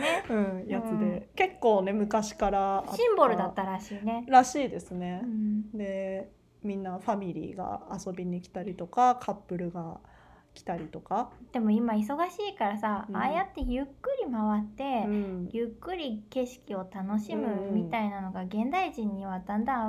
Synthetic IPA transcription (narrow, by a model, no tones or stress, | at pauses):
ɯ̟̃ːjat͡sɨd̪e̞ke̞kːo̞ːne̞mɯ̟kaɕi̥kaɾaaɕĩmbo̞ɾɯ̟d̪at̪ːaɾaɕiːne̞ɾaɕiːd̪e̞sɨne̞ɯ̃d̪e̞ | mʲĩnːaɸamʲiɾʲḭːɡa̰ːsobʲiɲ̟ikʲi̥t̪aɾʲit̪o̞kakʰapːɯ̟ɾɯ̟ɡa | kʲi̥t̪aɾʲit̪o̞kad̪̥e̞mo̞imais̬o̞ɡaɕiːkaɾasaajat̪ːe̞jɯ̟kːɯ̟ɾʲimaβat̪ːẽ̞jɯkːɯ̟ɾʲike̞ɕi̥kʲio̞t̪ano̞ɕimɯ̟mʲit̪ainano̞ɡaɡẽ̞nd̪aiʑĩɲ̟ːiβ̞ad̪ãnd̪a